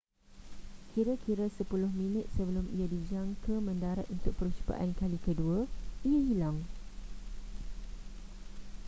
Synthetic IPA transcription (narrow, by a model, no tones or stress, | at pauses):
kʰiɾakʰiɾasəpulʊhmĩnə̃t̪̚səbəlʊmḭjadid͡ʒaŋkəmə̃ndaɾat̪̚unt̪ʊk̚pəɾut͡ʃu̥pa̰ʔankalikəduaijaɦilaŋ